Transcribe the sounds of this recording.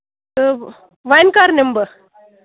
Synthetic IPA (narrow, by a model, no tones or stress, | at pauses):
ə | ʋajnkaɾnembəɾ